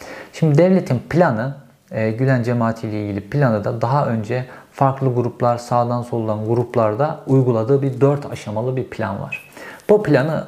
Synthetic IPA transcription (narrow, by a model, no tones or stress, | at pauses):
ʃimd̪id̪ɛvlʲe̞t̪ʰinpʰlʲanɯː | ɟylʲænd͡ʒemaːt̪ʰijlʲɛilʲɟilʲipʰlʲanɯd̪ad̪aɦaʔønd͡ʒɛfaɾklˠɯɡuɾuplˠaɾsaːd̪anso̞lˠunˠanɡuɾuplˠaɾd̪aujɡulˠad̪ɯːbiɾd̪øɾt̪ʰa̰ʃamalˠɯbiɾpʰlʲa̰nva̰ɾ̥b̥uplʲanɯ